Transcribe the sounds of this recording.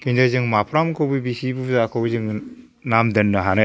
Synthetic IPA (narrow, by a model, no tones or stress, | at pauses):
kʰindazɯŋmapʰɾamkʰowbɯbisibuzakʰowzɯŋ | namdɐnːɯɦanɯ